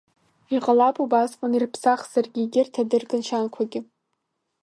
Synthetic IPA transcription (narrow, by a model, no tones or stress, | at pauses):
iqʼalapʰʼubasqʼanirpʰsaχz̥arɡʲiɡʲɪrtʰadɨrɡʼɨnʃankʷʰaɡʲɪ